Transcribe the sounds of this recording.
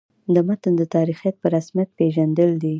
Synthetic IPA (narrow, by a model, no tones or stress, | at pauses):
d̪əmat̪ənd̪ət̪ɑɾixijat̪̚pəɾasmjat̪̚peʒand̪əld̪i